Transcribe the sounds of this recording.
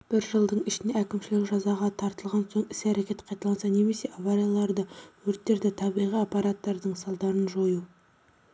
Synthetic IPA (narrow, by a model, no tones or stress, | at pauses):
b̥ɪɾʒəlˠd̪əɴɪʃɪne̞ækʲɪmʃɪlɪkʒɑzɑʁɑt̪ʰɑɾt̪əlˠʁɑnsoɴɪsæɾekʲe̞t̪qʰɑjt̪ɑlˠɑnsɑne̞me̞se̞ʔavaɾijɑlˠɑɾd̪əwɵɾt̪ːe̞ɾd̪ɪt̪ʰɑbijʁijapːɑɾat̪ːɑɾd̪əɴsɑlˠd̪ɑɾənʒo̞ju